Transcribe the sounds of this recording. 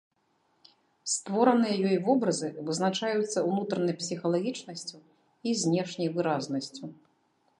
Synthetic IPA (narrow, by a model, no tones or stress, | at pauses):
st̪vɔɾɐnɨjɐjɔjvɔbɾɐzɨvɨznat͡ʂajut̪sːɐwnut̪ɾɐnɐjpsʲixɐlˠaɣʲit͡ʂnɐsʲt͡sʲu | izʲnʲɛʂnʲɐjvɨɾaznɐsʲt͡sʲu